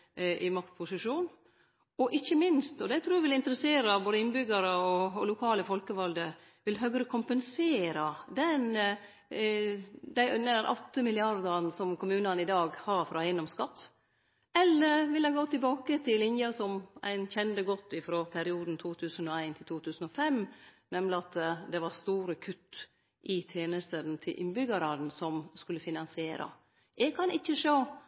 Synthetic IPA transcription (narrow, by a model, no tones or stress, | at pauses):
ʔɪmɑkt̪pʰʊsɪʂuːn | ɔʔɪçːəmɪnst̪ɔd̪ɛt̪ʰɾuːʋɪlɪnt̪əɾəseːɾɑboːd̪əɪnbʏɡɑɾəɔlʊkʰɑːləfɔlkəʋɑld̪ə | ʋɪlɦœɡɾəkʰʊmpənseːɾɑd̪ɛn | d̪æɪʔʉnːəɾʔɔ̰t̪ːəmɪlɪɑɾd̪ɑɾnsɔmkʰʊmʉːnɑnɪd̪ɑːɡhɑɾfɾɑæɪnɔmskɑt̪ː | ɛlːəɾʋɪlæɪɡoːt̪ɪlbɑːkət̪ʰɪlɪnjɑsɔmæ̰ɪnçɛnd̪əɡɔt̪ːɪfɾoːpʰæɾɪuːd̪n̩t̪ʰuːt̪ʰʉːsənɔæɪnt̪ʰɪlt̪ʰuːt̪ʰʉːsən̩ɔfɛmnɛmlɪɑt̪d̪ɛʋɑɾst̪uːɾəkʰʉt̪ː | ʔɪt̪ʰjeːnəst̪ənt̪ʰɪlʔɪ̰nbʏɡəɾɑn̩sɔmskʉlːəfɪnɑnsɪeːɾɑ̰ | ɛɡ̚kʰɑnɪçːəʂoː